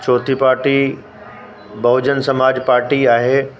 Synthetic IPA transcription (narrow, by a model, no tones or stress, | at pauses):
t͡ɕɔːt̪ʰipaːɾʈi | bɐɦʊd͡ʑənsɐmaːd͡ʑpaːɾʈiaːɦeː